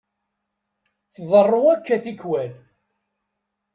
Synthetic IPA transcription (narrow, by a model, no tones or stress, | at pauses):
θðˤərˤːoækːæθikwæl